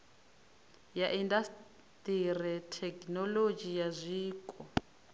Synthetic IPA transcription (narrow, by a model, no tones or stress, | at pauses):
jaʔindas | tʼirɛtʰɛknɔlod͡ʒijazʷiːkʼɔ